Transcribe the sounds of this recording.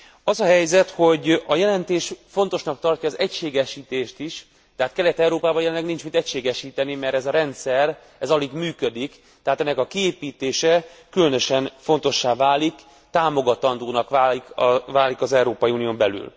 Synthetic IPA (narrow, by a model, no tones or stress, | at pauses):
ɒzɒɦɛjzɛt̪ho̞ɟɒjɛlɛnt̪eːʃfo̞n̪t̪o̞ʃnɒk̚t̪ɒrcɒːzɛcʃeːɡɛʃiːt̪eːʃt̪iʃ | t̪ɛɦaːt̪̚kɛlɛt̪ɛwɾoːpaːbɒjɛlɛnlːɛɡnint͡ʃmint̪ɛcʃeːɡɛʃiːt̪ɛnimɛrɾt̪ɛzɒɾɛnt̪sɛr | ɛzɒliɡmyːkød̪ik | t̪ɛɦaːt̪ɛnːɛkɒkieːpiːt̪eːʃɛkylønø̞ʃɛnfo̞n̪t̪o̞ʃːaːvaːlik | t̪aːmo̞ɡɒt̪ɒnd̪oːnɒkaːikvaːlikɒzɛuɾoːpɒjiuːnijoːmbɛly̰l